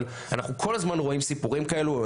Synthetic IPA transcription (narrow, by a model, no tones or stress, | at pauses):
l | anaχukʰo̞lazmanʁo̞imsipuʁimkae̞lu